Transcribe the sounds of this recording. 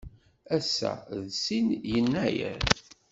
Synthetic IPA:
æsːæ̰ðsinjənːæjə̰ɾ

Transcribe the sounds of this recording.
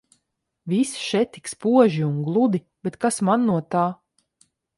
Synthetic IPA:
visʃɛt̪ːikspuɔʒiuŋɡlˠud̪i | bɛt̪kasmanːuɔt̪aː

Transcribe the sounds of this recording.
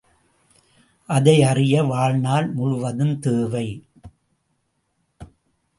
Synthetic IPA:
ʔɐðɐɪɐrɪjɐʋaːɻnaːlmʊɻʊʋɐðɯmt̪eːʋɐɪ

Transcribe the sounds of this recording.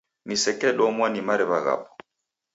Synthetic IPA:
nisɛkʼɛlɔmwanimaɾɪβaɣa̰ːpɔ̥

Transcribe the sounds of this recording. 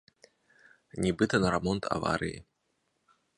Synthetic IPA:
nʲɛbɨt̪ɐnɐɾamɔnt̪ʰa̰va̰ɾʔɨ̰jḭ

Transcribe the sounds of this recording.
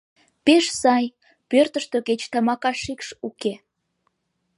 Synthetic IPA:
peʃsɑj | pørt̪əʃt̪oket͡ɕt̪ɑmɑkɑʃikʃuke

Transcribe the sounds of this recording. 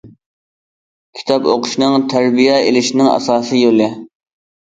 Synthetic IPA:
kʲʰi̥t̪ʰɑpo̰qʰʊ̥ʃnɨŋt̪ʰæɾbijɛelɪʃinɪŋɑ̰sɑːsɨjolɪ

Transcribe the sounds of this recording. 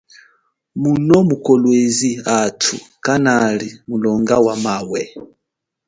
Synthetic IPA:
munɔmukɔlwɛziatʰṵkanalimulɔŋɡawamawɛ

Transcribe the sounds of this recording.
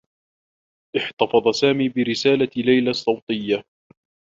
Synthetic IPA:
ʔɪħt̪ɑfɑðˤɑsaːmiːbɪɾɪsaːlalajlasˤːɑwt̪ˤɪjːa

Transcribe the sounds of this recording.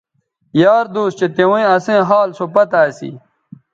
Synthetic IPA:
jaːɾd̪uːst͡ɕet̪ewẽɐsẽːɦaːlsopɐt̪aːsḭ

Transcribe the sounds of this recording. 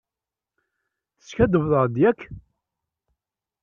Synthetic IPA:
θə̥sçæd̪əvðˤəɾˤd̪jækʰː

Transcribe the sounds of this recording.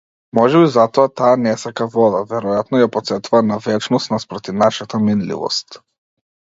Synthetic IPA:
mɔʒɛbizat̪ɔat̪aːnɛsakavɔd̪avɛɾɔjat̪nɔjapɔt̪sɛt̪uvanavɛt͡ʃnɔst̪naspɾɔt̪ivnaʃat̪aminlḭvɔ̰st̪

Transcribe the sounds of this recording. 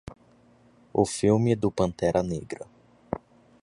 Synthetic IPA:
ʊfiwmɪd̪ʊpɐ̃nt̪ɛɾʔɐneɡɾɐ

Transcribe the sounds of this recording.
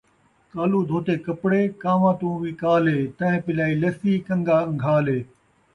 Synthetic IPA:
kaːluːd̪ʱoːt̪eːkɐpɽeːkaːʋãːt̪ũːʋiːkaːleːt̪ɐ̃ɦẽːpɪlaːiːlɐsiːkɐ̃ŋɡaːŋɡʱaːleː

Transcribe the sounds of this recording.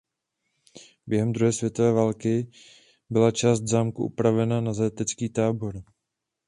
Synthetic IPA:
bjɛɦɛmd̪ɾuɦɛːsvjɛt̪ovɛːvaːlkɪ | bɪlat͡ʃaːst̪vzaːmkuʔṵpɾavɛnanazajat̪ɛt͡skiːt̪aːbo̞ɾ

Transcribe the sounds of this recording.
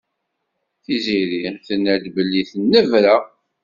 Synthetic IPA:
θiziɾiθənːæd̪bəlːiθənːəvɾa

